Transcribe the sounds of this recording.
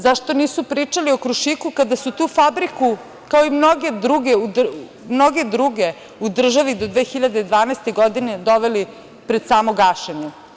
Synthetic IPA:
zaʃt̪o̞niːsupɾiːt͡ʂalio̞kɾuʃiːkukad̪asut̪uːfabɾiku | kaoimnoɡe̞d̪ɾuɡeud̪ | mnoɡe̞d̪ɾuɡe | ud̪r̩ʒaʋid̪o̞d̪ʋeːxiʎad̪ed̪ʋaːnaest̪e̞ɡo̞d̪ine̞d̪o̞ʋeli | pɾed̪saːmoɡaʃeɲe

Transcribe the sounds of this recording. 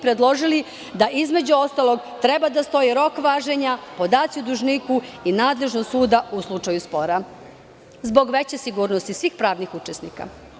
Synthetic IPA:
pɾed̪lˠo̞ʒili | d̪aʔizme̞d͡ʑuo̞st̪alˠo̞ɡt̪ɾebad̪ast̪o̞jiɾo̞kʋaːʒeɲapo̞d̪aːt̪siud̪uʒnikuinaːd̪le̞ʒnost̪suːd̪auslˠut͡ʂajuspo̞ɾa | zbo̞ɡʋe̞t͡ɕesiɡuːɾnost̪isʋiːxpɾaːʋnixut͡ʃesnika̰

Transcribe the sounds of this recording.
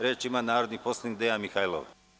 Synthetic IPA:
ɾeːt͡ʃimanaːɾod̪niposlaniɡ̚d̪ejamixajlˠo̰ʋ

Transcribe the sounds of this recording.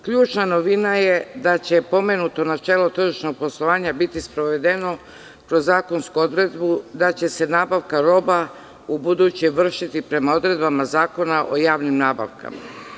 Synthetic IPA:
kʎuːt͡ʃnano̞ʋinajed̪at͡ɕe̞po̞me̞nut̪o̞nat͡ʃe̞ːlo̞t̪r̩ʒiʃno̞ɡ̚po̞slˠo̞ʋaːɲabit̪ispɾo̞ʋe̞d̪e̞no̞ | kɾo̞zːaːko̞nskuo̞d̪ɾe̞d̪bud̪at͡ɕe̞se̞naːbaʋkaɾo̞ba | ubud̪ut͡ɕeʋr̩ʃit̪ipɾe̞mao̞d̪ɾe̞d̪̚bamazaːko̞naʔo̞jaːʋnimnaːba̰ʋkʰa̰ma̰

